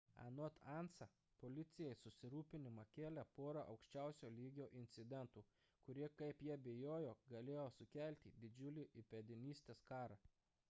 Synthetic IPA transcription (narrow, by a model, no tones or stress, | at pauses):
ɐ̰not̪ɑˑnsɐ | polʲɪt̪sʲɪjɛjsʊsʲɪɾuːpʲɪnʲɪmɐkʲeːlʲɛpoːɾɐʔɐ̰ʊkʃʲt͡ʃʲæˑʊsʲoːlʲiːɡʲoːʔɪnʲt̪sʲɪd̪ʲɛnt̪uː | kʊɾʲiɛkɐɪpjiɛbʲeːjoːjoːɡɐlʲeːjoːsʊkʲælʲt̪ʲiːd̪ʲɪd͡ʒʲʊlʲɪʔɪpʲɛd̪ʲɪnʲiːsʲt̪ʲeːskɑːɾɐː